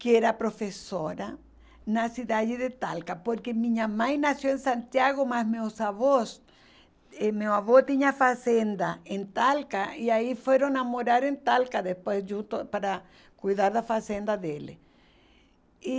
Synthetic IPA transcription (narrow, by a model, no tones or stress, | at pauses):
keɾapɾofesoɾa | nasiðaðeðet̪a̰lkapoɾkemĩɲamãjnasjoẽnsãnt̪jaɣomasmewsaβos | emewaβot̪iɲafasẽnd̪aẽnt̪alkaiaifweɾõŋnamoɾaɾẽnt̪alkaðespwesʒũnt̪opaɾa | kujðaɾðafasend̪aðelḛ | i